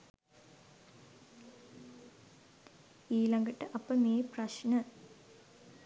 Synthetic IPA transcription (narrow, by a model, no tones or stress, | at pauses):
iːlɐŋɡɐʈːɨʔɐpːɐmeːprɐɕnɐ